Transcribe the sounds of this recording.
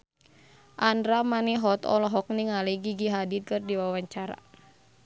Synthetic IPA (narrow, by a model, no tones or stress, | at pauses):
ʔandɾamaniɦɔt̪ɔ̰lɔɦɔk̚niŋaliɡiɡiɦadit̪̚kɨrdiwawaɲt͡ʃaɾa̰